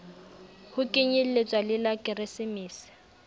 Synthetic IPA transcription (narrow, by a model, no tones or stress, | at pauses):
hʊkʼɪɲɪl̩let͡sʼwalɪlakʼɪrɪsɪmiːsɪ̥